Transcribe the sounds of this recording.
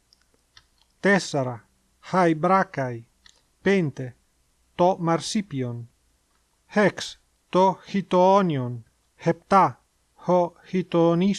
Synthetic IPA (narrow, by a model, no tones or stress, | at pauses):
t̪esaɾa | hajbɾakaj | pent̪e | t̪omaɾsipjon | heks | t̪oxit̪oɔnjon | hep̚t̪a | hohit̪oni